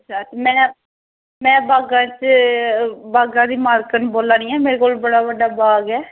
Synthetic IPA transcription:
ətʰːaːt̪emɛ̃ː | mɛ̃ːbaːɡãːt͡ʃ | baːɡãːd̪iːmaːlkənboːlãːnĩːɛːmeːɾeːkoːlbəɽaːbəɖaːbaːɡɛː

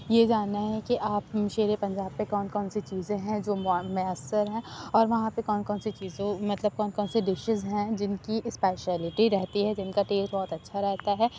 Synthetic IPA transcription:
jed͡ʒaːnːaɦɛ̃kiʔaːpʃeːɾepɐ̃ɲd͡ʒaːb̚pekɔːnkɔːnset͡ʃiːzẽɦɛ̃d͡ʒoːmmeəsːəɾɦɛ̃ɔːɾʋɐɦãpekɔːnkɔːnset͡ʃiːzõmɐt̪ləb̚kɔːnkɔːnseɖɪʃɪzɦɛ̃d͡ʒɪnkiʔɪspeːʃɛːlɪʈiɾɛɦt̪iɦɛd͡ʒɪnkaʈeːsʈbɔɦt̪ɐtːʃʰaɾɛɦt̪aɦɛː

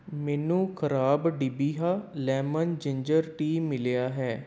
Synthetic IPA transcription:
mɛːnũːkʰəɾaːbɖiːbiːɦaːlɛːmənd͡ʒɪɲd͡ʒəɾʈiːmɪleaːɦɛː

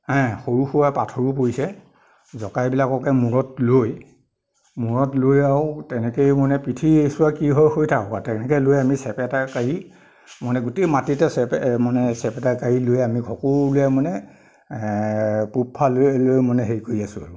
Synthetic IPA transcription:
hɛ̃xoɹuxuwapatʰɔɹup̬oɹisɛ | zɔkajbilakɔkɛmuɹɔtloj | muɹɔtlojaʊtɛnɛkejmɔnɛpɹitʰiesʊwakiɦɔjxojtʰakɔkatɛnɛkɛlojamisɛpɛtakaɹi | mɔnɛɡutejmatitɛsɛpmanɛsɛpɛtakaɹilojɛamiɡʱɔkulojamɔnɛ | pupʰːalolojmɔnɛɦeɹikoɹiasʊa̰ɹʊ

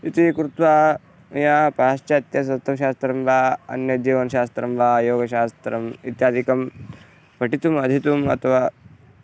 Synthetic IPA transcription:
it̪ikɾut̪ʋaː | jaːpaːʃt͡ʃɐt̪jɐs̬ɐt̪ʰːɐkʃ̬aːst̪ɾɐmʋaːɐ̰njɐd͡ʒiːʋɐnɐʃaːst̪ɾɐmʋaːjoːɡɐʃaːst̪ɾɐmit̪jaːd̪ʱikɐm | pɐʈit̪umɐd̪ʱit̪umɐ̰t̪ʰɐʋaː

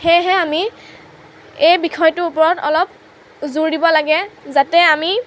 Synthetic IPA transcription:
xɛɦɛami | ejbikʰɔjtʊupɔɹɔtɔlɔp̚ | zuɹdibɔlaɡɛzatɛami

